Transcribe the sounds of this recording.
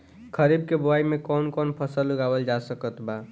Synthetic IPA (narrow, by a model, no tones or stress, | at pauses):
kʰəɾibkeboajmekɔnkɔnpʰəsəlːuɡabəld͡ʒasəkət̪ba